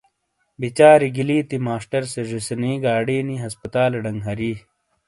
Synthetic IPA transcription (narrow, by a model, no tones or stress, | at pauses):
bit͡ɕaːɾiɡiliːt̪imaːsʈɐɾseʐisniːɡaːɽiːniɦɐspɐt̪aːlɐɖɐŋɡɦɐɾiː